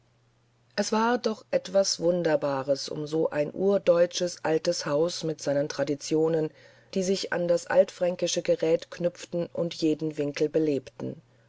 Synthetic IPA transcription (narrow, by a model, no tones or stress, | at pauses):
ʔɛsv̥aːɐdɔχʔɛtv̥asv̥ʊndɐbaːʁəsʔʊ̰mzoːʔa̰ɪnʔuːɐdɔʏt͡ʃəsʔaltəshaʊsmɪtz̥aɪnəntʁ̥adit͡sjoːnən | d̥iːzɪça̰ndasʔa̰ltfʁ̥aŋkɪʃəɡəʁɛːtkʰnʏpp͡ftn̩ʔʊntjeːdn̩vɪŋkl̩bəleːptn̩